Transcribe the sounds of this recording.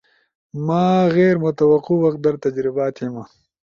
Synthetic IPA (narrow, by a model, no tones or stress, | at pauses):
maːɣeːɾmʊt̪ɐwɐquwɐq̪̚d̪ɐɾt̪ɐd͡ʒɾɪbaːt̪ema